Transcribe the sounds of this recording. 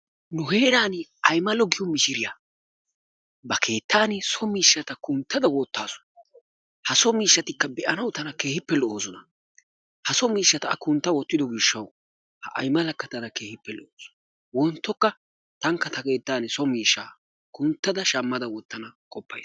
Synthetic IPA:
nʊɦeːɾaːnɐjmɐlɔɡɪjɔmɪʃɪɾɪja | bɐkʰe̞ːt̪ːaːnɪsɔmiːʃːɐt̪ɐkʊnt̪ːɐd̪ɐwɔt̪ːaːsʊ̥ | hɐsɔmiːʃːɐt̪ɪkːɐbɛʔɐnɐwt̪ɐnɐke̞ːhɪpːɛlɔʔoːsɔnɐ | hɐsɔmiːʃːɐt̪ɐɐ̰kʊnt̪ːɐwɔt̪ːɪd̪ɔɡɪʃːɐw | hɐ̰ʔɐ̰jmɐlɐkːɐt̪ɐd̪ɐke̞ːhɪpːɛlɔʔoːsɔ̥ | wɔnt̪ːɔkːɐ | t̪ɐŋkːɐt̪ɐke̞ːt̪ːaːnɪsɔmiːʃːaː | kʊnt̪ːɐd̪ɐʃɐmːɐd̪ɐwɔt̪ːɐnɐkʼɔpːɐ̰j

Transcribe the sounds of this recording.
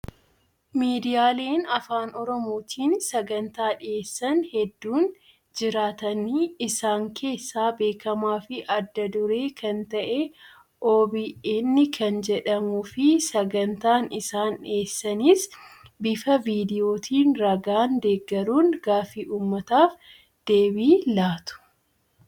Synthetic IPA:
miːd̪ɪjaːle̞ːnɐfaːnɔɾɔmo̞ːt̪ʰiːnsɐɡɐnt̪aːᶑɪeːsːɐnhɛd̪ːuːn | d͡ʒɪɾaːt̪ɐnːiɪsaːŋkʰe̞ːsːaːbe̞ːkɐmaːfɪʔɐd̪ːɐd̪ʊɾe̞ːkɐnt̪ɐʔɛ | ʔoːbiʔɪnːɪkʰɐnd͡ʒɛᶑɐmuːfɪsɐɡɐnt̪aːnɪsaːnᶑeːsːɐnɪs | bɪfɐviːd̪ɪjo̞ːt̪ʰiːnɾɐɡaːnd̪e̞ːɡːɐɾuːnɡaːfiʔuːmːɐt̪aːf | d̪̥e̞ːbiːlaːt̪ʊ̥

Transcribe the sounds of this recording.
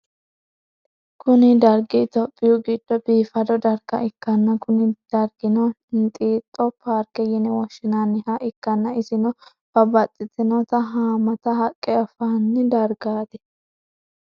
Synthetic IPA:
kʊnɪd̪ɐɾɡɪt̪ɔpʼːɪjuɡid̪̥ːɔbiːfɐd̪ɔd̪ɐɾɡ̥ɐʔɪkːɐnːɐkʊnɪd̪̥ɐɾɡɪnɔ | nt̪ʼiːt̪ʼːɔpʰaːɾkɛjɪnɛwɔʃɪnanːɪhɐʔɪkːɐnːɐɪsɪnɔ | fɐbɐt͡sʼːɪt̪ɪnɔt̪ɐɦaːmɐt̪ɐɦɐkʼːɛɔfanːɪd̪ɐɾɡaːd̪ɛ̥

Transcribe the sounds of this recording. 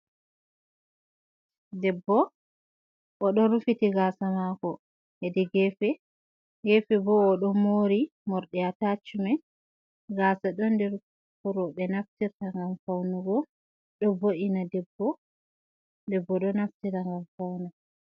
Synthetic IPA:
dɛbːɔ | ʔɔɗɔɾufitiɡasamakɔ | hɛdɛɡɛfɛ | ɡɛfɛbɔːɗɔmoɾi | mɔɾɗɛatat͡ʃːumɛ | ɡaːsaɗɔndɛɾ | kuɾɔɓɛnaftiɾtaŋɡamfawnuɡɔ | ɗɔboʔinadɛbːɔ | dɛbːɔɗɔnaftiɾaŋɡamfawna

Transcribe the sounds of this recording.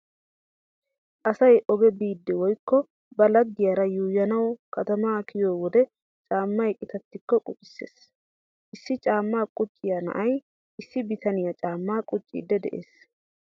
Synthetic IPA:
ʔɐsɐjʔɔɡɛbiːd̪ːɛwɔjkːɔ | bɐlɐd̪ːɪjɐɾɐjuːjɐnɐwkɐt̪ɐmaːkʰɪjoːwɔd̪ɛ | t͡ʃʼaːmːɐjkʼɪt̪ɐt̪ːɪkːɔkʼʊpʼɪ̥sːḛːs | ʔɪsːɪt͡ʃʼaːmːaːkʼʊt͡ʃʼːɪjɐnɐ̰ʔɐj | ʔɪsːɪbɪt̪ɐnɪjɐt͡ʃʼaːmːaːkʼʊt͡ʃʼːḭːd̪ːɛd̪ɛ̰ʔḛːs

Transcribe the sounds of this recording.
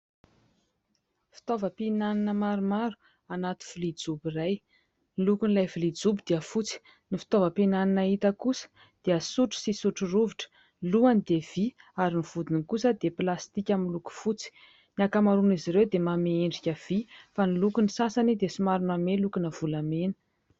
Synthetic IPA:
fi̥t̪ovəpinaninəmaɾumaɾu̥ | anat̪i̥v̥ilid͡zubiraj | nilukunilajvilid͡zubid̪̥iəfut͡si̥ | nifi̥t̪ovəpenaninait̪əkusə̥ | d̪̥eəsuʈ͡ʂu̥sisuʈ͡ʂuruviʈ͡ʂə̥ | luanid̪ev̥iaɾiniv̥ud̪inikusəd̪eplast̪ikʲaminluku̥fut͡si̥ | niakamaɾuniziɾewd̪emameeɳɖ͡ʐikʲəv̥ifanilukunisasanid̪esimaɾunamelukunəv̥ulamenə̥

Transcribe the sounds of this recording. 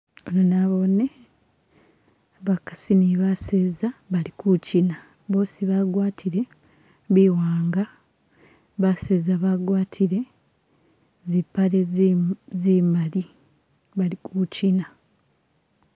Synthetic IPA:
olonaβo̞ne | βakḁsiniβaseːzaβalikucina | βo̞ːsiβaɡwaːtʰiɾe̞ | βiːwaːŋɡa | βaseːzaβaɡwaːtʰiɾe̞ | zipːale | ziːmali | βalikucina

